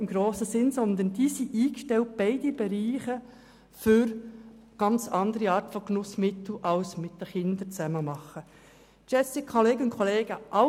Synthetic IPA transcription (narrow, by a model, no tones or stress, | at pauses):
ɪmɡ̥ɾoːsəsɪnsɔnd̪ənd̥iːsiʔiːkʃtɛlt̚b̥ɛɪdibɛɾiːχə | fʏɾ | ɡ̥ɑnt͡sɑnd̪əɾiɑːɾtfɔknʊsmɪt̪l̩ʔɑwsmɪt̚d̥əχɪnd̪ət͡sæməmɑχə | t͡ʃɛsikʰχɔleːɡəʊnkʰχɔleːɡ̥əʔɑ